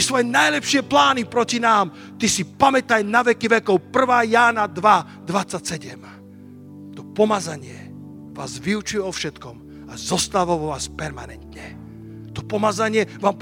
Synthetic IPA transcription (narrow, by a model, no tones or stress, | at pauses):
isʋɔjɛnajlɛpʃɪɛplaːnipɾɔcinaːm | t̪isipamɛt̪ajnaʋɛkiʋɛkɔʊpr̩ʋaːjaːnad̪ʋa | d̪ʋat͡sːacsɛɟɛm | t̪ɔpɔmazaɲɪɛ | ʋaːzʋiut͡ʃʊjɛɔfʃɛt̪kɔm | azɔst̪aʋɔʋɔʋaːspɛɾmanɛnt̪ɲɛ | t̪ɔ̥pɔmazaɲɪɛʋaːmp